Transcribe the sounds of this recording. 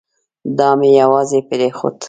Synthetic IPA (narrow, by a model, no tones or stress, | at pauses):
d̪ɑmejawɑzepɪɾexʊ̰t̪